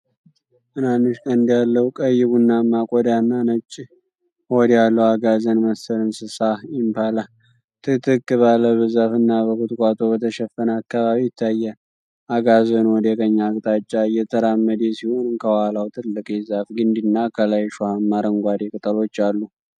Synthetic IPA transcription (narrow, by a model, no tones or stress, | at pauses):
ʔɨnanːɨʃkʼənd̪jalːəwukʼəjːɪβunːamːakʼɔd̪anːanət͡ʃʼː | hod̪jalːəwaɡazənməsəɾɨnsɨsajɪmpʰala | t̪ʰʼɨt̪ʰɨkːɨβaləβɨzafɨnːaβəkɨt̪kʷʼat̪ʰʼo̞bət̪ʰəʃɛfːənəakːaβaβijɪt̪ʰːajːɛ | aɡazənwɔd̪əkʼəɲːakʼt̪ʼat͡ʃʼːajɛt̪ʰəɾamːəd̪ɛsihonɨnkʰəwalawt̪ʼɨlːɨkʼezafɡɨnd̪inːakʰəlajʃohamːaɾəŋɡʷad̪ekʼɨt̪ʼəlo̞t͡ʃːalːu